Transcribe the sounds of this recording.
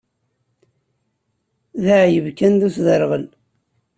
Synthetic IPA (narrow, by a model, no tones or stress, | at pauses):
ðaʕjəvkænd̪usðəɾʁən